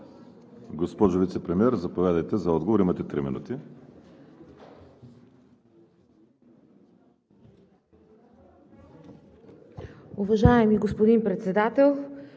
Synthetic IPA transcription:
ɡospɔʒovit̪sɛpɾɛmiɛɾzɐpovjad̪əjt̪ɛzɐɔd̪ɡovoɾimɐt̪ɛt̪ɾimḭnṵt̪i | ʊvɐʒaɛmiɡospod̪inpɾɛt̪sɛd̪at̪ɛlˠ

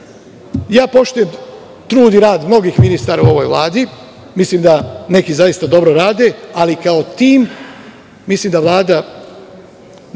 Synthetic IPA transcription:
jaːpo̞ʃt̪uje | t̪ɾuːd̪iɾaːd̪mno̞ɡiːxminist̪aːɾauo̞ʋo̞jʋlˠa̰ːd̪i | misliːmd̪ane̞kizajist̪ad̪o̞bɾoɾaːd̪e̞alikao̞t̪iːm | misliːmd̪aʋlˠaːd̪a

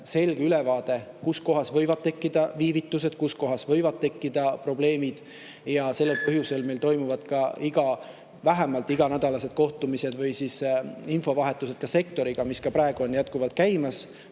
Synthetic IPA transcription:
se̞lɡ̥eylevɑːd̪̥e̞kusko̞ɦɑsvɤ̞jvɑd̪̥̚t̪e̞kːid̪̥ɑviːvit̪ːˑus̬e̞d̪̥kusko̞ɦɑsvɤ̞jvɑd̪̚t̪e̞kːid̪̥ɑpro̞b̥le̞ːmid̪̥ | jɑse̞lːe̞lpɤɦjuse̞lme̞jlt̪o̞jmuvɑd̪̥kɑiɡɑ | væɦemɑlt̪ːˑiɡ̥ɑnæd̪̥ɑlɑse̞d̪̥̚ko̞ht̪umise̞d̪̥vɯjsisinfo̞vɑɦe̞t̪ːˑus̬e̞d̪̥kɑse̞kt̪o̞ɾiɡ̥ɑmiskɑpɾɑeɡ̥uo̞njæt̪kuvɑlt̪̚kæjmɑs

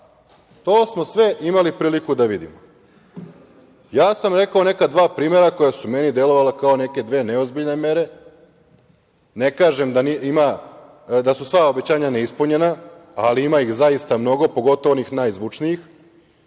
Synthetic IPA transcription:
t̪oːsmo̞sʋe̞ʔimalipɾiːlikud̪aʋid̪ḭmo | jaːsamɾe̞kao̞ne̞kad̪ʋaːpɾiːmeɾako̞jasume̞nid̪e̞lo̞ʋalakao̞ne̞ke̞d̪ʋe̞ːneo̞zbiʎne̞me̞ɾe̞ | ne̞kaːʒe̞md̪aniima | d̪asusʋao̞bet͡ɕaːɲaneispuɲe̞naaliimaixzajist̪amno̞ɡo̞poɡo̞t̪oʋonixnaːjzʋut͡ʃnijix

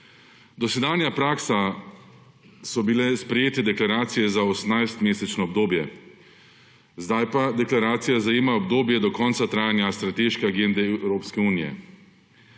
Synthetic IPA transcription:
d̪ɔsɛd̪aːnjapɾaːksa | sɔbilɛspɾɛjeːt̪ɛd̪ɛklaɾaːt̪sijɛzaosnajst̪meːsɛt͡ʃnɔɔbd̪oːbjɛ | zd̪ajpad̪ɛklaɾaːt̪sijazajeːmaɔbd̪oːbjɛd̪ɔkɔːnt̪sat̪ɾaːjanjast̪ɾat̪eʃkɛaɡend̪ɛwɾoːpskɛuːnijɛ̰

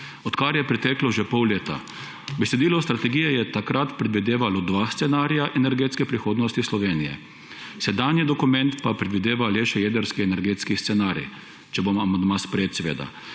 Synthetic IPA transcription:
ɔt̪kaɾjɛpɾɛt̪ɛːklɔʒɛpɔwleːt̪a̰ | bɛsɛd̪iːlɔst̪ɾat̪ɛɡiːjɛjɛt̪akɾat̪pɾɛd̪ʋid̪eːʋalɔd̪ʋaːst̪sɛnaːɾijaʔɛnɛɾɡeːt̪skɛpɾixoːd̪nɔst̪islɔʋeːnijɛ̰ | sɛd̪aːnjid̪ɔkumɛ̃nt̪papɾɛd̪ʋid̪eːʋaleːʃɛjɛːd̪əɾskiɛnɛɾɡeːt̪skist̪sɛnaːɾḭ | t͡ʃɛbomamand̪maːspɾeːt̪sɛʋḛːd̪a̰

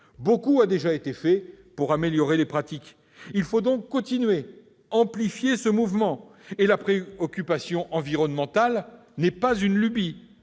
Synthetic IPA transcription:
bokuad̪eʒaet̪efɛ | puʁameljɔʁelepχat̪ik | ilfod̪ɔ̃kːɔ̃t̪inɥe | ɑ̃plifjesəmuvmɑ̃elapχeɔkʲypasjɔ̃ʔɑ̃viʁɔnmɑ̃t̪al | nɛpazynlybi

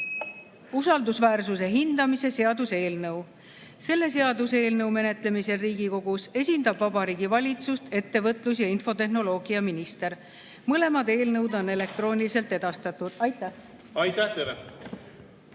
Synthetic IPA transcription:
usɑld̪usvæːrsuse̞ɦind̪̥ɑmise̞se̞ɑd̪use̞ːlnɤw | se̞lːe̞se̞ɑd̪use̞ːlnɤwme̞ne̞t̪le̞mise̞riːɡ̥iko̞ɡ̥use̞sʲind̪ɑb̥vɑbɑɾiːɡ̥ivɑlʲit̪sust̪e̞t̪ːe̞vɤt̪ˑlus̬jɑinfo̞t̪e̞ɦno̞lo̞ːɡ̥iɑminist̪e̞ɾ | mɤle̞mɑd̪e̞ːlnɤwd̪o̞ne̞le̞k̚t̪ro̞ːnʲilise̞lt̪ːˑe̞d̪̥ɑst̪ɑt̪ːud̪̥ɑjt̪ːˑæh | ɑjt̪æht̪eɾe

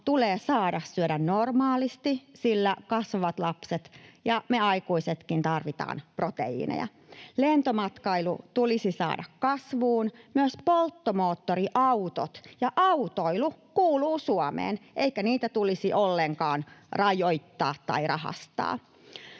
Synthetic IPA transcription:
t̪uleːsɑːdɑssyødænnormɑːlist̪isilːækɑsʋʋɑt̪lɑpset̪jɑmeɑikuiset̪kint̪ɑrʋit̪ɑ̰ːnprot̪ḛḭːnḛjɑ̰ | lent̪omɑt̪kɑilṵt̪ulisisɑ̰ːdɑkkɑsʋuːnmyøspolt̪ːomoːt̪ːoriʔɑut̪o̰t̪jɑʔɑut̪oilukuːluːsuɑmḛːnʔeikæniːt̪æt̪ulisiʔolːeŋkɑːnrɑjoit̪ːɑ̰ːt̪tːɑ̰irɑhɑ̰st̪ɑ̰ː

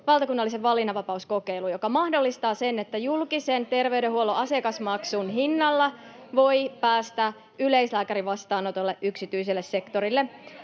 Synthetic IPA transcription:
ʋɑlt̪ɑkunːɑlːiseʋʋɑlːinɑʋɑpɑusko̞ke̞ilujokɑmɑhdo̞lːist̪ɑːsenet̪ːæjulkisent̪e̞rʋeyɾehuoloʔɑse̞kɑsmɑksunɦinːɑlːɑ | ʋo̞jpæːst̪æ | yle̞islæːkæɾiʋɑst̪ɑːnot̪olːeʔyksit̪yis̬elːesse̞kt̪o̞ɾilːe

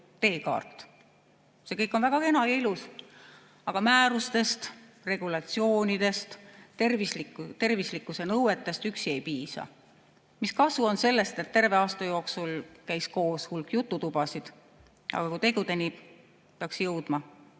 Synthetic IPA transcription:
t̪e̞ːkɑ̰ːrt̪ːˑ | se̞kɤjkːˑo̞nvæɡ̥ɑenɑjɑilus | ɑɡ̥ɑmæːɾust̪e̞st̪ | re̞ɡ̥ulɑt̪sio̞ːnʲid̪̥e̞st̪ervislit̪e̞rvislikːˑuse̞nɤwe̞t̪ːˑe̞st̪yksie̞jpiːsɑ̰ | miskɑsuo̞nse̞lːe̞st̪et̪ːe̞rve̞ɑːst̪ɑjo̞ːksulkæjsko̞ːshulkːˑjut̪ːˑut̪ub̥ɑsid̪̥ | ʔɑ̰ɡ̥ɑkut̪e̞ɡud̪eni̥ | peɑksjɤwd̪̥mɑ

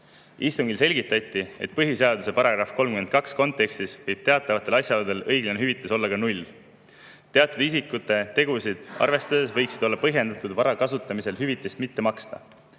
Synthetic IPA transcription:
ist̪umɡilse̞lʲɡit̪ːˑɑt̪ʲːˑie̞̰t̪̚pɤɦiseɑd̪use̞pɑɾɑɡ̥rɑfko̞lmkymed̪̚kɑksko̞nt̪ːˑe̞kst̪isvɤjb̥̚t̪e̞ɑt̪ːˑɑvɑt̪ˑːe̞lɑsʲjɑlud̪e̞lɤ̞jɡlɑneɦyvit̪ːˑeso̞lːɑkɑnulʲː | t̪e̞ɑt̪ːˑud̪is̬ikːˑut̪ːˑe̞t̪e̞ɡ̥usid̪̥ɑ̰rve̞st̪ɑd̪e̞svɤ̞jksid̪̥o̞lːɑpɤɦje̞nd̪̥ɑt̪ːˑud̪vɑɾɑkɑsut̪ˑːɑmise̞lɦyvit̪ːˑest̪mit̪ːe̞mɑkst̪ɑ̰

